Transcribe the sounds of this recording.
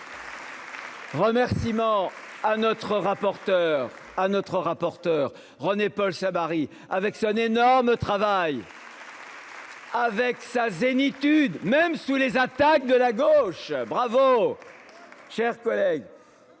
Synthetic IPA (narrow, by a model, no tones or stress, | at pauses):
ʁəmɛʁsimɑ̃anɔt̪χəʁapɔʁt̪œʁ | anɔt̪χəʁapɔʁt̪œːʁ | ʁənepɔlsamaʁi | avɛksɔ̃nenɔʁmət̪χavaj | avɛksazenit̪yd̪mɛmsulezat̪ak̚d̪əlaɡoʃbʁavo | ʃɛʁkɔlɛɡ